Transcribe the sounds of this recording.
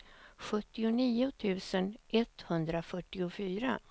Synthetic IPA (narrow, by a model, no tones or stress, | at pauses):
ɧɵt̪ːɪʊniːʊt̪ʰʉ̟ːsənʔɛt̪ːhɵnd̪ɾafœʈːɪʊfyːɾa̰